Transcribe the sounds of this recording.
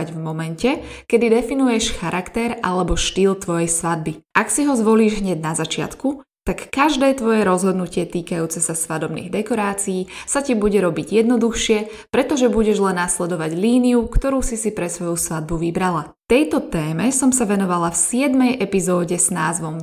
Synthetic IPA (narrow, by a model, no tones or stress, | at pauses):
aɟvmɔmɛncɛkɛd̪id̪ɛfinujɛʃxaɾʔakt̪ɛɾʔalɛbɔʃt̪iːlt̪ʋɔjɛjsʋad̪̚biʔaksiɦɔzʋɔliːʒɦɲɛɟnazat͡ʃɪa̰t̪ku | t̪akːaʒd̪ɛːt̪ʋɔjɛɾɔzɦɔd̪nucɪɛt̪iːkajuːt͡sɛsasʋad̪ɔbnḭːɣd̪ɛkɔɾaːt͡sijiːsacibuɟɛɾɔbiɟjɛd̪nɔd̪uxʃɪɛ | pɾɛt̪ɔʒɛbuɟɛʒlɛnːaslɛd̪ɔʋaɟliːniukt̪ɔɾuːsisipɾɛsʋɔjusʋad̪̚buʋibɾala | t̪ɛjt̪ɔt̪ɛːmɛsɔmsaʋɛnɔʋalafsɪɛd̪mɛjʔɛpizɔːɟɛz̥naːzʋɔm